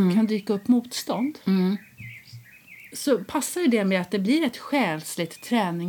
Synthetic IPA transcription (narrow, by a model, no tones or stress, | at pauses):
kʰand̪yːkaɵpːmuːt̪st̪ɔnd̪ | sɔpʰasːaɾjɵd̪ɛmɛat̪̚d̪ɛblɪɾɛt̪ɧɛːlslɪt̪ʰːɾɛːnɪ